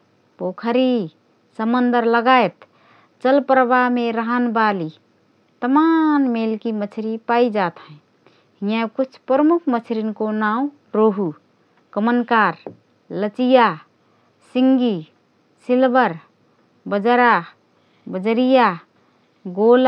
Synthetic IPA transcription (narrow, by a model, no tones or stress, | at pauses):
pokʰəɾi | səmənd̪əɾləɡaet̪ | t͡ʃəlpəɾbameɾəɦənbali | t̪əmanmelkimət͡ʃʰɾipaid͡ʒat̪ɦə̃ | ɦĩãkut͡ʃʰpɾəmukʰmət͡ʃʰɾinkonaũ | ɾoɦu | kəmənkaɾ | lət͡ʃija | siŋɡi | silbəɾ | bəd͡ʒəɾa | bəd͡ʒəɾija | ɡol